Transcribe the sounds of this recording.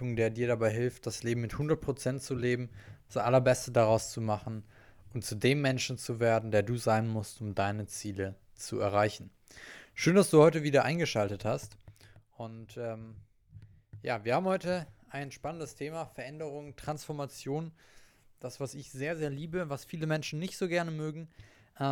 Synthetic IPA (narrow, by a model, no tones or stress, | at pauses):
ʊŋdeːɐdiːɐɾabaɪɦɪlft̚d̥asleːbm̩mɪthʊndɐt̚pʁ̥ot͡sɛntt͡suleːbm̩d̥asʔalɐbɛstədaʁaʊst͡sumaχn̩ | ʔʊnt̚t͡sudeːmːɛnʃn̩t͡suveːɐdn̩deːɐduːzaɪnmʊstʊmdaɪnət͡siːlə | t͡sṵɛ̰ɐʁ̞aɪçn̩ | ʃøːndasd̥uːhɔʏtəviːdɐʔa̰ɪnɡəʃaltəthastʔʊntʔɛːm | jaːviɐhaːbm̩hɔʏtəʔaɪnʃpanəndəstʰeːmaːfɛɐʔɛndəʁ̞ʊŋtʁ̥ansfɔɐmat͡sjoːn | d̥asv̥asɪçz̥eːɐzeːɐliːbəvasfiːləmɛnʃn̩nɪçtz̥oːɡɛɐnəmøːɡŋ̩ | ʔ